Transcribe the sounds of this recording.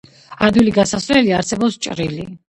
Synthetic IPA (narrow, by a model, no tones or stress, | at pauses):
aɾd̪wiliɡasaslɛliaɾsɛbɔpst͡ʃʼɾili